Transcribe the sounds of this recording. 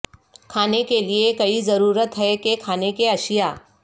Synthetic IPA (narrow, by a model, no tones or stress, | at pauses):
kʰaːnekeliekɐizɐɾuːɾət̪ɦɛkekʰaːnekeɐʃɪjaː